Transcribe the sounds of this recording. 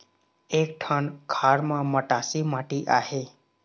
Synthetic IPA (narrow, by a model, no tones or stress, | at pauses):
eːk̚ʈʰənkʰaːɾmãməʈaːsimaːʈiʔaːɦeː